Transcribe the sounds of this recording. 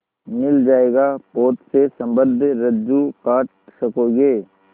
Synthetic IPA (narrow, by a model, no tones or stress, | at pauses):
mɪld͡ʒaːeːɡapoːt̪sesɐ̃mbəd̪ʱɾəd͡ʒukaːʈ̚ | sɐkoːɡeː